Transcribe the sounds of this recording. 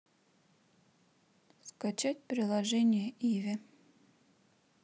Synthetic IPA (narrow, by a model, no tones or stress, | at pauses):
skat͡ɕatʲpɾʲɪlˠɐʐɛnʲɪjəʔivʲɪ